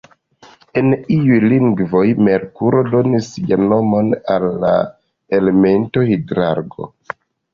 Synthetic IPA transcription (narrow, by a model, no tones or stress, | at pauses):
e̞niujliŋɡvo̞jmeɾkuɾo̞do̞nisjano̞mo̞nalːa̰ | ele̞me̞nto̞hidɾa̰ɾɡo̞̰